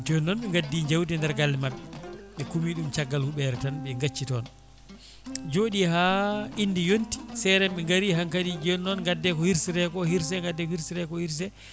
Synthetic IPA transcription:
tiɔnːɔnɓɛŋɡadːiɲd͡ʒawdɛndɛɾɡalːɛmaɓːɛɓɛkumiɗumt͡ʃaɡːalhuɓɛɾɛtanɓɛŋɡat͡ʃːitɔn | d͡ʒoːɗihaʔinːdijonti̥sɛɾɛmɓɛŋɡaɾiɦaŋkaɾid͡ʒɔnːɔnŋɡadːɛkɔhiɾsiɾɛkɔhiɾs̬ɛŋɡadːɛkɔhiɾsiɾɛkɔhiɾs̬ɛ

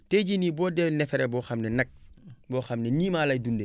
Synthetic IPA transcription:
teɟiniːbɔːdɛwnɛfeɾebɔxamnɛnak̚bɔːxamneniːmaːlajdunde

